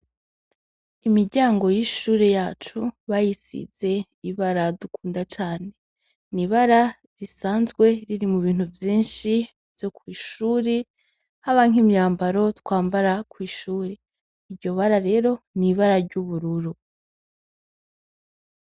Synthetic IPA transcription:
imiɾɟaːŋɡo̞jiʃuːɾe̞jaːt͡ʃuβajisḭz̥e̞ | iβaɾadukuːndat͡ʃaːne̞ | niβaɾa | ɾisaːnzɡwe̞ɾiɾimuβiːn̥uvjiːnʃi | vjo̞kwiːʃuːɾe | haβaŋ̥imɲaːmbaɾo̞twaːmbaɾakwiːʃuːɾe | iɾɟo̞βaɾaɾe̞ːɾo̞niβaɾaɟuβuɾuɾu

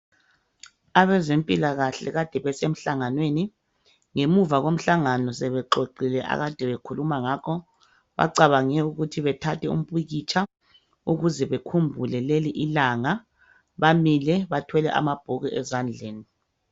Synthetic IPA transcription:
aβɛzempʼilaɣaɬɛ̰ɣad̥ʱɛβɛsem̩ɬaŋanweni | ŋemuvaɣom̩ɬaŋanɔs̬ɛβɛǃoǃilɛʔa̰ɣad̥ʱɛβekʰulumaŋakʰɔ | βa̰ǀaβaŋɛuɣutʰiβɛtʰatʰɛṵm̩pʼiɣit͡ʃʰʼa | uɣuzɛβekʰumbʱulɛleliʔilaŋa | βamilɛβatʰwɛlɛ̰ʔa̰mab̥ʱɔɣɛʔɛzand͡ɮʱeːni

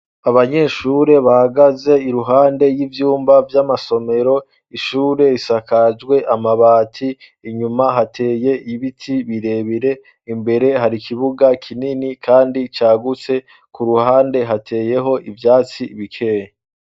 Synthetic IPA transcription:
aβaɲe̞ːʃuɾe̞βahaɡaze̞iɾuɦaːnde̞jivjuːmbavjamaso̞me̞ɾo̞ | iʃuːɾe̞isakad͡ʒɡwe̞ʔamaβaːtʰiː | ɲumaɦatʰe̞ːje̞ʔiβitʰiβiɾe̞βiɾe̞ | imbe̞ɾe̞ɦaɾikʰiβuɡakʰininikʰaːndit͡ʃaːɡut͡se̞ | kuɾuhaːnde̞ɦatʰe̞ːje̞ɦo̞ʔivjaːt͡siβikʰe̞ːɲe

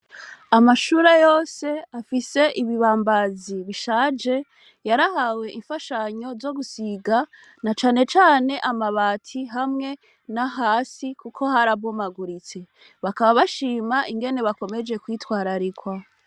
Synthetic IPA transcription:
amaʃuːɾejo̞ːse̞afise̞ʔiβiβaːmbaziβiʃaːd͡ʒe̞ | jaɾahawe̞ʔiɱfaʃaɲo̞zo̞ɡusiɡa | nat͡ʃaːne̞t͡ʃaːne̞ʔamaβaːtʰiɦamŋe̞ | naɦaːsikukʰo̞haɾaβɡomaɡuɾit͡se̞ | βakaβaβaʃiːmaiŋɡe̞ne̞βako̞me̞d͡ʒe̞kwiːtwaːɾaɾikwa

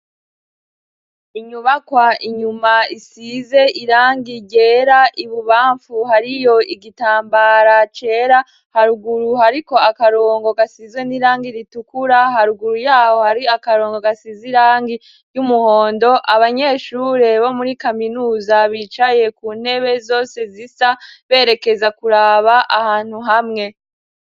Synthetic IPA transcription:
iɲuβakwaiɲumaisize̞ʔiɾaːŋɡiɟe̞ːɾaʔiβuβaːɱfuhaɾijo̞iɡitaːmbaɾat͡ʃe̞ɾa | haɾuɡuɾuhaɾiko̞akaɾoːŋɡo̞ɡasizɡweniɾaːŋɡiɾitukuɾaɦaɾuɡuɾujaːho̞haɾiakaɾo̞ːŋɡo̞ɡasiziɾaːŋɡi | jumuho̞ːndo̞ʔaβaɲe̞ːʃuɾe̞βo̞muɾikaminuːzaβit͡ʃaje̞kuːn̥he̞βe̞zo̞ːse̞zisaβe̞ːɾe̞ke̞zakuɾaβaʔahaːn̥huɦamŋe̞

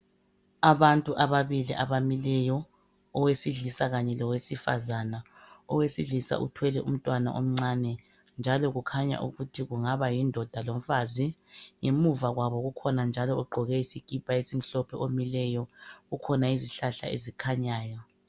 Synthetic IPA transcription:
aβantʼuʔaβaβiliʔaβamilɛjɔ | ɔwesiɮisaɣaɲɛlɔwesifa̰zana | ɔwesiɮisa̰ʔṵtʰwɛlɛʔṵm̩tʼwana̰ʔo̰m̩ŋ͡ǀaːnɛ | nd͡ʒʱalɔɣukʰaɲa̰ʔṵɣutʰiɣuŋaβajindʱɔd̥ʱalom̩fazijemuvaɣwaβɔɣukʰɔnand͡ʒʱalɔuɡ͡ǃʱɔɣɛisiɡ̥ʱʼipʰʼaesim̩ɬɔpʰɛʔomilɛjɔɣukʰɔnaiziɬaɬa̰ḛzikʰaɲaːjɔ

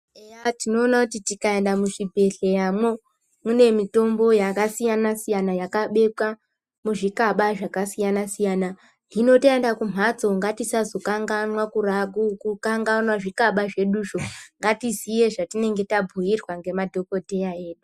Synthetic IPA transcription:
eatino̞ːnakutitikae̞ndamuʐibʱe̞ɬe̞jamwo | mune̞mito̞mbo̞jakasijanasijanajakaɓe̞kwa | muʐikaɓaʐakasijanasijaːna | ʐino̞tendakum̤ʱat͡so̞ŋɡatisazo̞kaŋɡanwakuraɡʱukukaŋɡanwaʐikaɓaʐe̞ɗuʃo̞ŋɡatizije̞ʐatine̞ŋɡe̞tabʱujirwaŋɡe̞madʱo̞ko̞te̞jae̞ːɗu

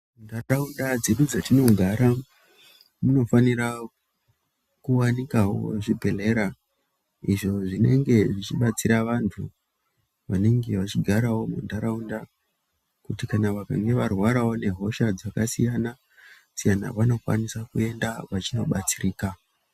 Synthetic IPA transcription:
mundaaundad͡zeɗud͡zatino̞ɡʱaɾa | muno̞faniɾa | kuwanikawo̰ʐibʱe̞le̞ɾa | iʐo̞ʐine̞̰ŋɡe̞ʐit͡ʃiɓat͡siɾaʋantʰu | ʋane̞ŋɡe̞ʋat͡ʃiɡʱaɾawo̞mṵndaɾaunda | kutikanaʋaka̰ŋɡe̞ʋarwaɾawo̞ne̞ɦo̞ʃad͡zakasijana | sijana̰ʋano̞kwa̰nisakue̞ndaʋat͡ʃino̞ɓat͡siriːka

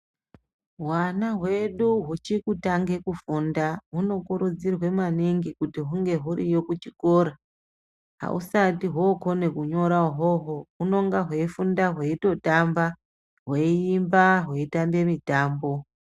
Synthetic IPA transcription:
ɦwanaɦwe̞ɗuɦut͡ʃikutaŋɡe̞kufundauno̞kuɾud͡zirwe̞maniŋɡikutiɦuŋɡe̞ɦuɾijo̞kut͡ʃiko̞ːɾa | ɦa̰ṵsatiɦoko̞ne̞kuɲo̞ɾaɦoɦoɦuno̞ŋɡaɦweifundaɦweito̞tamba | ɦweiːmbaɦweitambe̞mitaːmbo̞

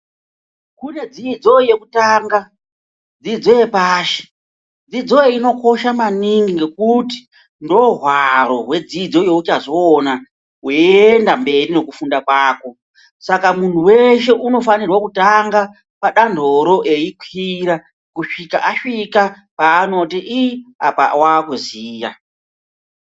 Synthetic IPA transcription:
kune̞d͡zid͡zo̞je̞kutaːŋɡa | d͡zid͡zo̞je̞paːʃe̥ | d͡zid͡zo̞eino̞ko̞ʃamaniŋɡiŋɡe̞kuti̥ | ndo̞ɦwaɾo̞ɦwe̞d͡zid͡zo̞je̞ut͡ʃaʐoːna | weendambe̞rine̞kufundakwaːko̞ | sakamun̤uwe̞ʃe̞ʔuno̞fanirwakutaŋɡa | paɗandʱo̞ɾo̞ʔe̞ikʰiɾa | kuʂikaʔaʂika | paːno̞tiʔiapa̰wakuziːja

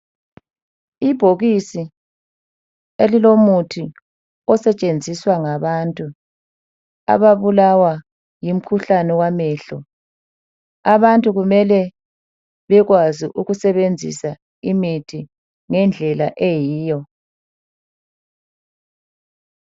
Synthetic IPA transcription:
ib̥ʱoɣisi | elilomutʰi | ɔsɛt͡ʃʼend͡zʱiswaŋaβantʼu | a̰βaβulawa | jim̩kʰuɬanɛwamɛːɬɔ | aβantʼuɣumɛlɛ | βɛɣwaziʔuɣusɛβend͡zʱḭsa | imitʰi | ŋɛnd͡ɮʱɛlaʔejiːjɔ

